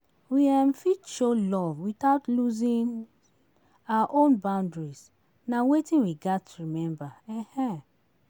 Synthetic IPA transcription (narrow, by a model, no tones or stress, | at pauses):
wiamfiʃolɔvwitaʊtluzĩn | aaʔõnbãʊ̃ndɹis | nawetĩnwiɡatɹimɛ̃mbaɛ̃hɛ̃